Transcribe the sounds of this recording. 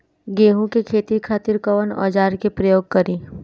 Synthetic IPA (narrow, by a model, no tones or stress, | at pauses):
ɡeːɦũkekʰeːt̪ikʰaːt̪ɪɾkəʋənɔ̰ːd͡ʒaːɾkepɾəjoːɡ̚kɐɾiː